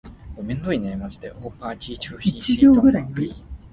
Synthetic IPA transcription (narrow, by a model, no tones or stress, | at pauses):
omẽnd̪oineimat͡sɨ̥d̪eʔoːpat͡ɕit͡ɕoit͡ɕiɡʲo̞ːɡɯ̟ɾaɯ